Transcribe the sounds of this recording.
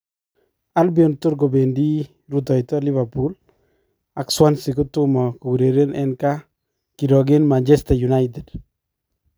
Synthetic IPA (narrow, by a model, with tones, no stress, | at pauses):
a˦lbjɔ˨ntʊ˦ɾɡo˨be˨ndi˦ | ɾut̬ɔ˨jtɔli˦βa˨pul | a˨kswa˦nsiko˦tu˦mɔ˨ku˨ɡuɾe˨ɾenɛnka˦ | kiɾɔ˨ɡe˦nmant͡ʃɛstajuna˦jt̬ɛd̥